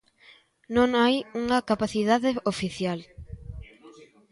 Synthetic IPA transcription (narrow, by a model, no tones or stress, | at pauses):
nõŋajuŋɐkapaθiðaðeofiθjal